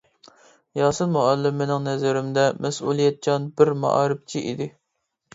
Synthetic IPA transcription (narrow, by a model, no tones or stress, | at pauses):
jɑːsɨlmɑʔɑlːɪmːɪnɪŋnɛzɪɾɪmd̪ɛmɛsulˠijɛt̪̚t͡ʃɑnbɪɾmɑ̰ʔɑ̰ːɾɨp̚t͡ʃʰiʔḭd̪ɪ